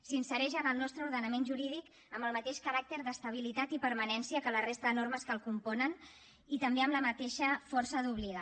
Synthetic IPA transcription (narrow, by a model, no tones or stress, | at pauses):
sinsəɾɛʒəðəlˠnɔst̪ɾəuɾðənəmenʒuɾið̞ik | əmbəlˠmət̪eʃkəɾak̚t̪əɾðəst̪əβ̞ilit̪at̪ipəɾmənɛnsiəkələrest̪əðənoɾməskəlˠkumpɔnən | it̪əmbeəmləmət̪eʃəfɔrsəðuβ̞liɣ̞a